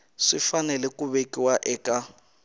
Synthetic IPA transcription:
ʂifanɛlɛkʼuβekʼiwaʔɛkʼa

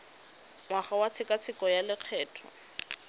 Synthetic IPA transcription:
ŋwaχawat͡sʰɪkʼat͡sʰɪkɔjalɪq͡χʰɛːtʰɔ

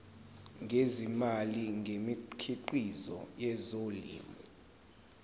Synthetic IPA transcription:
ŋʱezimaliŋɡʱemikʰiǃizɔ̰jɛzolḭːmɔ

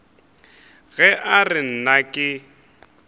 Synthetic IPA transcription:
ɣɛʔarɪn̩nakʼɪ

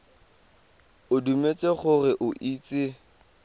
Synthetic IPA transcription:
ʊdumet͡sʼeχʊrɪʔʊʔiːt͡sʼɪ

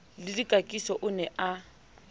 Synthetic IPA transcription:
lɪdikʼakʼisɔʔʊnɛʔa

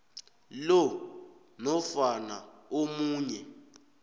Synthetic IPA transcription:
lɔ | nɔfanaomuːɲɛ

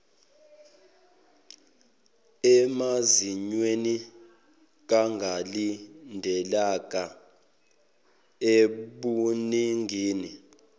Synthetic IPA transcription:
ɛmaziɲweni | k̬aŋɡʱalindʱɛlak̬ʼa | eɓuniŋɡʱiːni

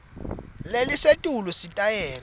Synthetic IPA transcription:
lelisetʼulusitʼajɛːl

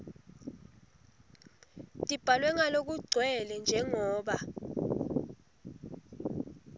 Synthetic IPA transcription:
tʼib̥ʱalwɛŋalok̬uɡ͡ǀʱwɛlɛnd͡ʒʱɛŋɔːɓa

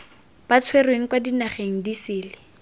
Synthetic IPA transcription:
b̥at͡sʰwerweŋ̩kwadinaχeŋ̩disɪːlɪ

